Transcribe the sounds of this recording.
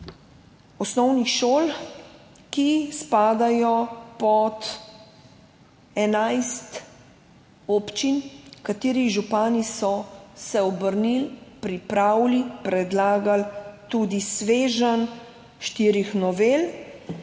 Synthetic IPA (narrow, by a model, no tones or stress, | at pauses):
ɔsnɔwnixʃol | kispaːd̪ajɔpɔt̪ | ɛnajst̪ | ɔpt͡ʃinkat̪iːɾiʒupaːnisɔsɛɔbəɾnilpɾipɾawlipɾɛd̪laːɡalt̪ud̪isʋeːʒən | ʃt̪iːɾixnɔʋeːl